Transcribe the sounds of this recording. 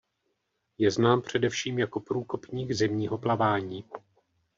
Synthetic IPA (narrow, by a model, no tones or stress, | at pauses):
jɛznaːmpr̝̥ɛdɛfʃiːmjako̞pɾuːko̞pɲiːɡzɛmɲiːɦo̞plavaːɲiː